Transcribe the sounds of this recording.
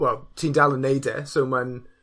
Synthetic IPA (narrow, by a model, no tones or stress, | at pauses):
wɛlˠtʰiːndalˠənːejdɛ̰sowman